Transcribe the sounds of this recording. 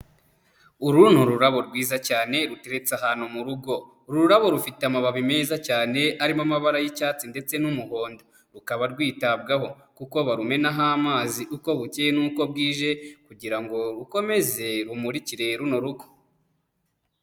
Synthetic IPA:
uɾuːn̥huɾuɾaβo̞ɾɡwiːzacaːne̞ɾuteɾet͡saɦanhumuɾuɡo̞ | ɾuuɾaβo̞ɾufiteamaβaβime̞ːzacaːne̞aɾimamaβaɾajicaːt͡sinde̞t͡se̞numuho̞ːndo | ɾukaβaɾɡwiːtabɡaɦo̞ | kuko̞βaɾume̞naɦaːmaːziʔuko̞βuceenuːko̞b̚ɡiːʒe̞kuɟiɾaŋɡo̞ɾuko̞me̞ze̞ɾumuɾiciɾe̞ɾuno̞ɾuko̥

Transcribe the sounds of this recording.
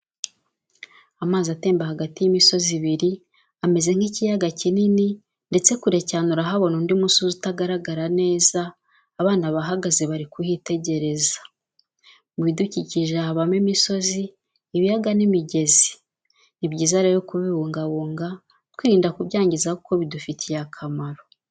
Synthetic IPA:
amaːzate̞ːmbahaɡatijimiso̞ziβiɾi | ame̞ze̞ŋ̥hicijaɡacinini | nde̞t͡se̞kuɾe̞canuɾaɦaβo̞nondimusozitaɡaɾaɡaɾane̞ːzaː | βaːnaβaɦaɡazeβaɾikuhite̞ɟe̞ɾe̞zḁ | mwiːduciciʒeaβamemiso̞ziː | βijaɡanimiɟe̞zi̥ | nibɟiːzaɾejokuβiβuːŋɡaβuːŋɡa | twiːɾiːndakuβɟaːɲɟizauko̞βidufitʰijakʰamaɾo̞

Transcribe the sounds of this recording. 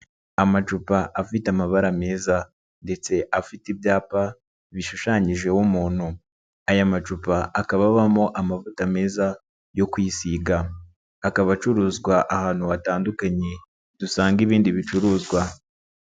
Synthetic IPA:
amat͡ʃupaʔafitamaβaɾame̞ːza | nde̞t͡se̞ʔafitibjaːpa | βiʃuʃaːɲiʒe̞wumuːn̥hu | ajamat͡ʃupaʔakaβaβamo̞ʔamavutame̞ːza | jo̞kwisiːɡaː | kaβat͡ʃuɾuːzɡwaʔahaːn̥huataːndukaɲe̞ | d̥usaːŋɡiβiːndiβit͡ʃuɾuːzɡwa

